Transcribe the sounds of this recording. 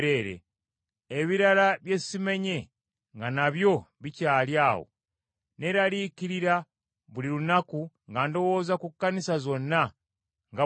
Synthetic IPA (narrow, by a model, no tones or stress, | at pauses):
ɾeɾḛ | eβiɾalaβje̞sime̞ɲe̞ | ŋɡanaβjo̞βicaːljaːwo̰ | ne̞ɾaliciɾiɾa | βuliɾunaku | ŋɡando̞woːzakukːanisazo̞nːa | ŋɡa